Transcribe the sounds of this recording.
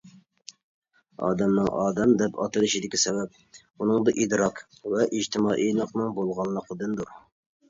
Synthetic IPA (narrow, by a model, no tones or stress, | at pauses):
ɑ̰ːd̪ɛmnɨŋʔɑ̰ːd̪ɛmd̪ɛpʰɑ̰t̪ʰɨlˠɨʃid̪ɪkʲisɛbɛp̚ | unɨŋd̪ɑʔid̪ɾɑq | vɛʔid͡ʒt̪ʰɪmɑːʔijlˠəqnɨŋbolˠʁɑnˠːəqʰəd̪ɨnd̪uɾ